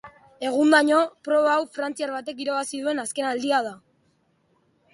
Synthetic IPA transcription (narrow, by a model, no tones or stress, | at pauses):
e̞ɣ̞und̪aɲo̞pɾo̞βaːwfɾant͡siaɾβat̪e̞k̬iɾaβasiðue̞naske̞nald̪iað̞a